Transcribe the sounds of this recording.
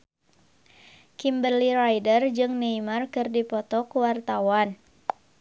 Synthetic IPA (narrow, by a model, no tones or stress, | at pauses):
kimbərlirajdərd͡ʒɨŋneimarkɨrdipɔt̪ɔkəwart̪awan